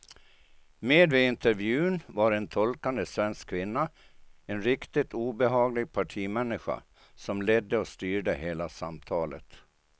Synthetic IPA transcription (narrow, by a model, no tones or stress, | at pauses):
meːd̪vɪɪnt̪ɛɾvjʉ̟ːnvaɾɛnt̪ʰɔlkand̪əsvɛnskʰːvɪnːa | ɛnɾɪkt̪ɪt̪uːbɛɦɑːɡlɪɡ̚pʰaʈʰiːmɛnːɪɧa̰ | sɔmlɛd̪ːəɔst̪yːɖəheːlasamt̪ʰɑːlə̰t̪